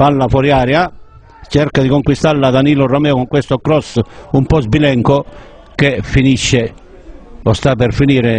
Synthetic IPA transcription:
palːafɔɾjaːɾja | t͡ʃɛrkad̪ikoŋkwist̪aɾlːad̪aniːlɔramɛːɔkɔŋkwest̪ɔkɾɔsumpɔzbilɛŋkɔ | kefiniʃːɛ | ɔst̪apɛɾfiniːɾɛ

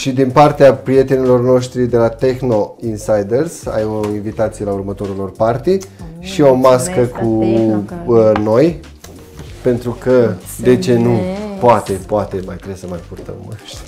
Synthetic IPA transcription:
ʃid̪inpart̪eapɾie̞t̪e̞nilo̞rno̞ʃt̪ɾid̪e̞lat̪e̞xno̞insajd̪ersa̰joinvit̪at̪sijelaurmət̪o̞ɾulo̞rpart̪iʃio̞maskəkʰu | no̞j | pe̞nt̪ɾukə | d̪e̞t͡ʃe̞nupoat̪e̞poat̪e̞majt̪ɾesəmajpurt̪ə̰məʃ

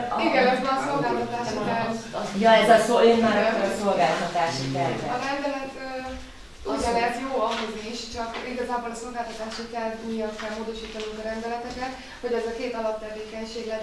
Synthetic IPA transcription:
iɡɛnoʒʋɒnso̞lɡaːlt̪ɒt̪aːʃikɛljɛzsoenmaɾɛso̞lɡaːlt̪ɒt̪aːʃik̪ɛlɒɾɛnd̪ɛlɛt̪øː | uɟɒɛrt̪joːɒɦo̞ziʃt͡ʃɒkiɡɒzaːbo̞lɒso̞lɡaːlt̪ɒt̪aːʃikɛlmijɒt̪kɛlmoːd̪o̞ʃiːt̪ɒnuŋkɒɾɛnd̪ɛlɛt̪ɛkɛt̪ | ho̞ɟɛzɒkeːt̪ɒlɒt̪t̪ːɛveːkɛɲʃeːɡlɛ

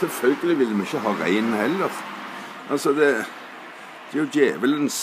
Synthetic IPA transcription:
sɛlfœlɡəlɪʋɪld̪ːəmɪçːəɦɑːʁæ̰ɪnhɛlːəʁ | ʔɑlsɔd̪ɛ | d̪̥ɛɾjʊd̪jæːʋələnns

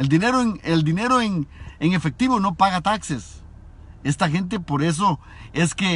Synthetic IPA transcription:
eld̪ineɾoeŋeld̪ine̞ɾoeŋeŋefek̚t̪iβono̞paɣat̪akses | est̪axe̞nt̪̬epoɾes̬o | eske

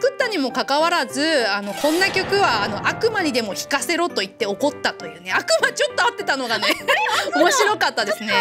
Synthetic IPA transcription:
kɯ̟t̪ːaɲ̟imo̞kakaβaɾazɨano̞kõ̞nːakʲo̞kɯ̟βaːno̞ʔakɯ̟maɲ̟id̪e̞mo̞çi̥kase̞ɾo̞t̪o̞it̪ːe̞o̞ko̞t̪ːat̪o̞jɯ̟ːne̞akɯ̟mat͡ɕo̞t̪ːoat̪ːe̞t̪ano̞ɡane̞o̞mo̞ɕiɾo̞kat̪ːad̪e̞sɨne̞

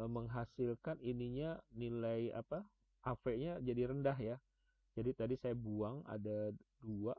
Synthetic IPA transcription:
məŋɦasɪlkaniniɲanilaja̰pa | ʔafɛʔɲad͡ʒadiɾəndaɦja | d͡ʒadit̪adisajabuaŋa̰dadua

